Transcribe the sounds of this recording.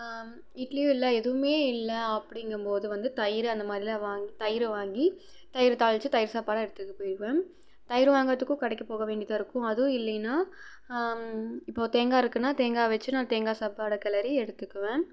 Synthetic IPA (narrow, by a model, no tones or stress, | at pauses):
ɪʈliɪlːɐɛðɯʋɯmeːɪlːɐɐpːɐɽɪŋɡɐmpoːðɯʋɐnd̪ɯt̪ɐjɪɾɯɐnd̪ɐmaːd̪ɾɪlɐʋaːŋɡit̪ɐjɪɾɯʋaːŋɡi | t̪ɐjɪɾɯt̪aːɭʋt͡ʃːɯt̪ɐjɪɾɯsaːpaːɽɐɛɽɯt̪ːɯkːɯpoːjɪɾɯʋẽː | t̪ɐjɪɾɯʋaːŋɡɐt̪ːɯkːʊ̃kɐɽɐɛkːɯpoːɣɐʋeːɳɖɪðaːɪɾɯkːʊ̃ɐðɯ̃ɪlːɐnːaː | ɪpːoːt̪eːŋɡaːɪɾɯkːɯnːaːt̪eːŋɡaːʋɐt͡ʃːɯnãːt̪eːŋɡaːsaːpaːɽɐkɐlɐɾiɛɽɯt̪ːɯkːɯʋẽː